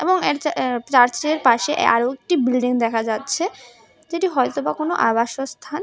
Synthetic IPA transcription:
ḛboŋeɾt͡ɕaɾt͡ɕɾeɾpaʃeʔa̰ɾoek̚ʈibilɖiŋd̪ɛkʰad͡ʑatːɕʰe | d͡ʑeʈiɦɔet̪obakonoʔabaʃost̪ʰan

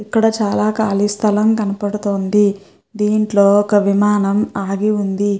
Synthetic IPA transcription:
ikːɐɽɐt͡ʃaːlaːkaːlist̪ʰɐlɐmkɐnɐpɐɽut̪oːnd̪i | d̪iːɳʈlo̞ːɔkɐʋimaːnɐmaːɡiund̪i

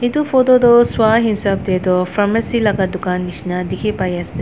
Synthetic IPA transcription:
itupʰod̪odɔswaɦinsap̚d̪ed̪ɔpʰɾamɐsilaɡɐd̪ukanːisnadikʰipajɐse

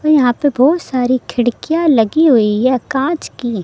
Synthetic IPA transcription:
ɔɾjɐɦãpebɔːt̪saːɾikʰɪɽkijalɐɡiɦoiɦɛkãːt͡ʃkiː

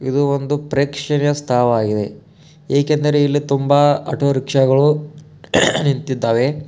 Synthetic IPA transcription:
id̪uond̪upɾeːkʂɐnjɐst̪ʰaːʋɐaːɡid̪e̞ | eːkend̪ɐɾe̞ilːit̪umbɐɐ̰ʈoɾikʂɐɡɐɭu | nint̪id̪ːaːʋe̞

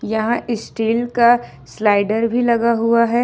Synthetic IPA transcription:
jɐɦãʔɪsʈiːlka | slaːɪɖəɾbʱilɐɡaɦuaɦɛː

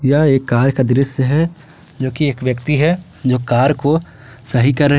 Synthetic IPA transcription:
jaeːkːaːɾəkad̪ɪɾɪsjəɦɛ | d͡ʒoːkieːkʋjəkt̪iɦɛ | d͡ʒoːkaːɾko | sɐɦikɐɾːəɦ

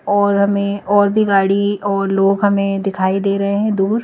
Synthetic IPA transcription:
ɔːɾɦɐmẽɔːɾbʱiɡaːɽiɔːɾloːɡɦɐmẽd̪ɪkʰaːid̪eːɾɐɦeɦɛ̃d̪uːɾ

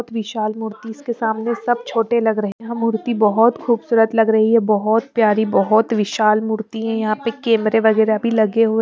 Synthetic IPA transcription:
t̪ʋɪʃaːlmʊɾt̪iɪskesaːmnesɐb̚t͡ʃʰoːʈelɐɡɾɐɦiɦɐmːʊɾt̪ibɐɦɔt̪xuːbsuːɾət̪lɐɡɾɐɦiɦɛbɐɦɔt̪̚pjaːɾibɔɦɔt̪ʋɪʃaːlmʊɾt̪iɦɛ̃jɐɦãpekɛːmɾeʋɐɡɛːɾabʱilɐɡeɦo

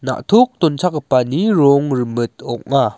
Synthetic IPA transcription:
na̰ʔt̪ʰuk̚t̪ɔnt͡sʰakəpaniɾɔŋrəmɯt̪̚ɔk̚ŋa

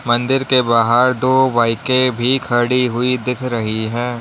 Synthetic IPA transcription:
mɐ̃nd̪ɪɾkebaːɦəɾd̪oːbaːɪkẽbʱikʰɐɽiɦʊid̪ɪkʰɾɐɦiɦɛː

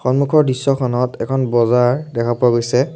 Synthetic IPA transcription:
xɔnmukʰɔɹdisːɔkʰɔnɔtɛkʰɔnbɔzaɹdɛkʰapuwaɡojsɛ

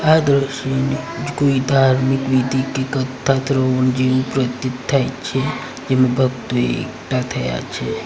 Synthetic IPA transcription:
ad̪ɾəʃonid͡ʒɡoid̪ʱaɾmikʋid̪ʱikekət̪ʰːat̪ɾəond͡ʒenupɾət̪ːit̪ʰːajt͡ʃʰe | d͡ʒemãbʱəɡt̪oeḛkʈat̪ʰəja̰t͡ʃʰe

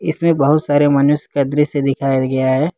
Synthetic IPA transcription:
ɪsmẽbɐɦʊt̪saːɾemɐnʊʃkɐd̪ɾised̪ɪkʰaːjaɡɐjaɦɛː

